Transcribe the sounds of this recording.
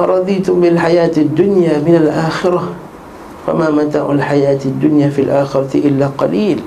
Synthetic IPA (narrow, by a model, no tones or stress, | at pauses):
ʔɾˤɑd̪ˤiːt̪ʊmbɪlħajaːt̪ad̪ːʊnjaːmɪnalʔaːxɪɾˤa | fa̰mamat̪a̰ːʕʊlħajaːt̪ad̪ːʊnjaːfilʔaːxɪɾˤɑt̪ʔɪlːaːqɑliːl